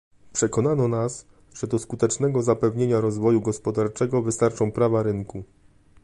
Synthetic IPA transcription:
pʂɛkɔnanɔnas | ʐ̥ɛd̪ɔskut̪ɛt͡ʂnɛɡɔzapɛvɲeɲaɾɔzvɔjuɡɔspɔd̪aɾt͡ʂɛɡɔvɘst̪aɾt͡ʂɔ̃w̃pɾavaɾɘŋku

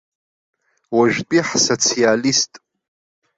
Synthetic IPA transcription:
waʒᶣtʼiħsot͡sʰijalistʼ

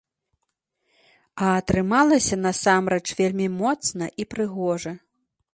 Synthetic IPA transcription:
ɐːt̪ɾɨmalˠɐsʲɐn̪ɐsamɾɛt͡ʂvʲelʲmʲimɔt̪snɐʔipɾɨɣɔʐɐ

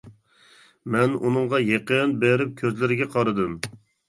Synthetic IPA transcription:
mɛnunɨŋʁɑjeqənbeɾɪp̚kʲʰøzlɪɾɪɡʲɛqʰɑɾɨd̪ɨm

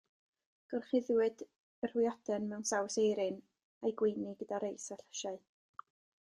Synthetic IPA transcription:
ɡ̥ɔrχɪðwɨd̥ | ər̥wjɔd̥ɛnmɛwnsawsejɾɪn | ajɡwɪniɡədaɾejsaɬə̥ʃaɨ

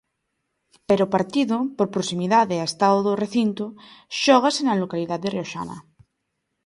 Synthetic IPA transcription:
peɾopaɾt̪iðopoɾpɾosimiðaðeaest̪aðoðoreθint̪oʃoɣ̞asenalokaliðaðereoʃa̰na̰

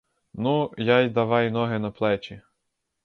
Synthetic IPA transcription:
nujɑjd̪ɐʋɑjnɔɦɪnɐplˠɛt͡ʃi

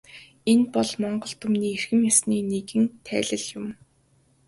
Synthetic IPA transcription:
enpɔɮmɔɴɢɞ̆ɬt̪ʊmniːerxɘ̆mjasniːnekɘ̆nt̪ʰæ̰ːɮə̆ɮjʊm

